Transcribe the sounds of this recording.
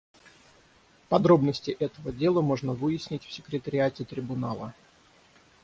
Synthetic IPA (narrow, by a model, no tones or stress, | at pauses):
pɐd̪ɾo̞bnəsʲtʲɪʔɛt̪əvədʲe̞lˠəmo̞ʐnəvɨjɪsʲnʲɪtʲfsʲɪkɾʲɪt̪əɾʲɪatʲɪt̪ɾʲɪbʊnalˠə